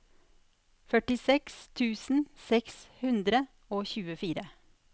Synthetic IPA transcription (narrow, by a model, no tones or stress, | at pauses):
fœʈɪsɛkst̪ʰʉːsn̩sɛkshʉnd̪ɾə | oːçʉːəfiːɾə